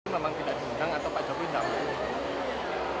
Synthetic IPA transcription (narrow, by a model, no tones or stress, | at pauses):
memaŋt̪idaʔd̥idaŋat̪awpḁd͡ʒɔpindam